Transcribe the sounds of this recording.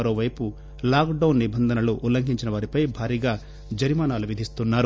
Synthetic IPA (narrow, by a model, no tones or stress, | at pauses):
ɐɾoːʋɐjpu | laːkɖɐwnːibɐnd̪ʱɐnɐluʔulɐŋɡʱiɲt͡ʃinɐʋaːɾipɐjbʱaːɾiːɡaː | d͡ʒɐɾimaːnaːluʋid̪ʱist̪unːaːɾu